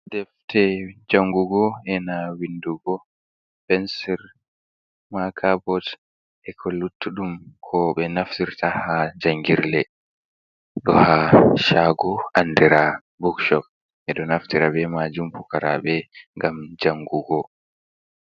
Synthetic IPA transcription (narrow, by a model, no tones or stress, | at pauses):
dɛftɛd͡ʒaŋɡuɡɔɛnawinduɡɔ | pɛnsɛɾ | makʰabɔt | ʔɛkʰɔlːutːuɗumkʰɔɓɛnaftiɾtahad͡ʒaŋɡiɾlɛ | ɗɔhaʃaɡɔʔandɛɾa | bɔkʃɔp̚ | ʔɛɗɔnaftiɾabɛmad͡ʒumpukaɾa̰ɓɛŋɡamd͡ʒaŋɡuɡɔ